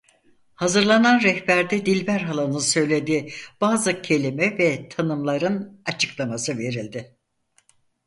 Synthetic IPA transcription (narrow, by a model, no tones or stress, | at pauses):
hazɯɾlˠananɾɛhbæɾd̪ɛd̪ilʲbæɾɦalˠanɯnsø̞jlʲe̞d̪iːb̥aːzɯcʰe̞lʲimɛvɛt̪ʰanɯmlˠaɾɯnat͡ʃʰɯ̥klˠamasɯve̞ɾilʲd̪ɪ